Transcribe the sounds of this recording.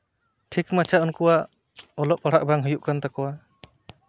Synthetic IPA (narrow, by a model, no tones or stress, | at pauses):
ʈʰikmat͡ʃʰaʔɔnkɔwa | ɔlɔʔ̚paɽ̤aʔ̚baŋɦɯjuʔkant̪akɔwa